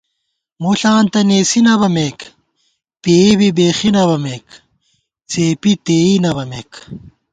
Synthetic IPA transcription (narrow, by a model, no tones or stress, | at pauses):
moːɬaːnt̪ɐneːsinɐβɐmeːk | peːbibeːxinɐβɐmeːk | t͡seːpit̪eːinɐbɐmeːk